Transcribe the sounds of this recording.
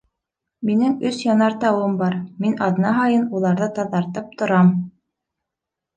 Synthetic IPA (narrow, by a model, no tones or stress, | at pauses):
minɘŋɵsjɑnɑɾt̪ɑwɤmbɑɾminɑðnɑɦɑjɤnulˠɑɾðɤt̪ɑðɑɾt̪ɤp̚t̪ŏɾɑm